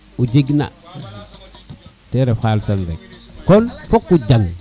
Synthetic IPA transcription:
ud͡ʒiɡna̰ | teɾehalsanɾḛk̚kolfokːud͡ʒaŋ

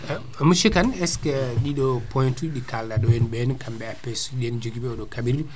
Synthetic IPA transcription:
muʃikanɛskɛɗiɗɔpɔjntuɗikaldaɗɔjɛnbɛnkʰambɛapːɛsuɗiɛnd͡ʒoɡibɛɔɗɔkabiɾɗu

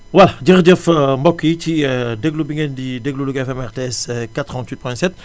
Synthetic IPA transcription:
wɐlɟəʁɟəfmbɔkːit͡ʃidəɡlubiŋɐndidəɡluluɡɛfɛmɛʁteɛskat̪ʁɑ̃ntwit̚pɔ̃jɛ̃sɛt̪̚

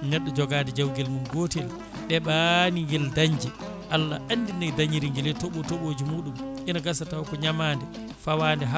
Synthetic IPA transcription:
nɛɗːɔd͡ʒɔɡaːdɛd͡ʒawɡɛlmunɡoːtɛl | ɗɛɓaniŋɡɛldaɲd͡ʒɛ | ʔalːaʔanːdinajdaɲiɾiŋɡɛlɛtoɓɔtoɓod͡ʒimuːɗumʔɛnaɡasatawkɔɲamaːndɛ | fawaːndɛɦa

